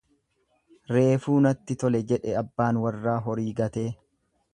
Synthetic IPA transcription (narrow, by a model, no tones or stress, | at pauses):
ɾe̞ːfuːnɐt̪ːɪt̪ɔlɛd͡ʒɛᶑɛɐbːaːnwɐrːaːɦɔɾiːɡɐt̪e̞ː